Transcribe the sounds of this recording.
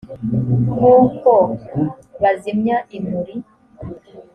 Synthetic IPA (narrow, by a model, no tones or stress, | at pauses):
ŋuːko | βazimɲaʔimuɾi